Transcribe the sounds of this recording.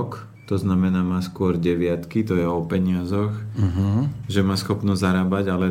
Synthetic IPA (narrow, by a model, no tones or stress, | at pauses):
k | t̪ɔznamɛnaːmaːskʊɔɾɟɛʋɪat̪kit̪ɔjɛɔpɛɲɪazɔxɦʒɛmaːsxɔpnɔzaɾaːbaɟalɛ